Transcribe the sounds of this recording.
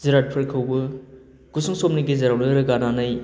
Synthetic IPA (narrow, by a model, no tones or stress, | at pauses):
ziɾat̚pʰɯɾkʰɯwbɯ | ɡ̥usuŋsomniɡizɐɾawnɯɾɯɡananɯj